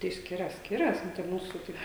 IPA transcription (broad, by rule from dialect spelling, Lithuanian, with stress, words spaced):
tɐɪ ˈsʲkʲɪrɐs ˈsʲkʲɪrɐs ˈnʊ tɐɪ ˈmuːsʊ ˈtɐɪp